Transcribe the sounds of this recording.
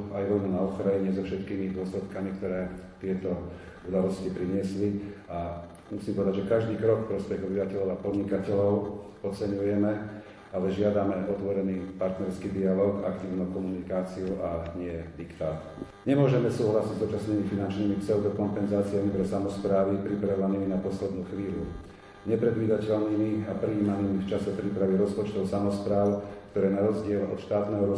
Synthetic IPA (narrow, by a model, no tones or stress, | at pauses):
ajʋɔlnunaɔxɾajiɲɛzɔfʃɛt̪kiːmid̪ʊɔslɛt̪kamikt̪ɔɾɛːt̪ɪɛt̪ɔ | ud̪alɔscipɾiɲɪɛslia | musiːmpɔʋɛd̪aɟd͡ʒʒɛkaʒd̪iːkɾɔkfpɾɔspɛɣɔbiʋacɛʎɔʊapɔd̪ɲikacɛʎɔʊ | ɔt͡sɛɲujɛmɛ | alɛʒɪad̪amɛɔt̪ʋɔɾɛniːpaɾt̪nɛɾskiːd̪ialɔːɡa̰kt̪iːʊnukɔmunikaːt͡siuʔaɲɪɛd̪ikt̪aːt̪ | ɲɛmʊɔʒɛmɛsuːɦlasiɟzuːt͡ʃasniːmifinant͡ʃniːmipsɛʊd̪ɔkɔmpɛnzaːt͡sijamip̪ɾɛsamɔspɾaːʋipɾipɾaɔʋaniːminapɔslɛd̪nuːxʋiːʎu | ɲɛpɾɛd̪ʋiːd̪acɛlniːmiapɾiiːmaniːmift͡ʃasɛpɾipɾaʋiɾɔspɔt͡ʃt̪ɔʊsamɔspɾaːʊkt̪ɔɾɛːnaɾɔzɟɪɛlɔ̰t̪ʃt̪aːt̪nɛːɦɔɾɔ